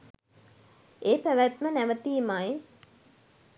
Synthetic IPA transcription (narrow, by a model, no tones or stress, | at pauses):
eːpæʋæt̪mənæʋət̪iːmaːi